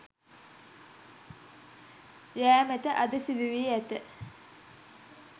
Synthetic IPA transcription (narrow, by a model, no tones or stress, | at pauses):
jæːmæt̪əʔad̪əsiʋiʋiæt̪ə